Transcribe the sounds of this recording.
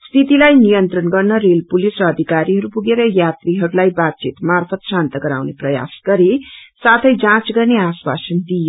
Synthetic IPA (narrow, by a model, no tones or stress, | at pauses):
st̪ʰit̪ilajnijʌnt̪rʌnɡʌrnʌɾelpulisrʌːd̪ʱikaɾiɦʌɾupuɡeɾʌjat̪riɦʌɾulajbat̪̚t͡sit̪marpʰʌt̪sant̪ʌɡʌɾawneprʌja̰sɡ̥ʌɾesat̪ʰʌjd͡zãt͡sɡʌrneaswa̰sʌnd̪ijo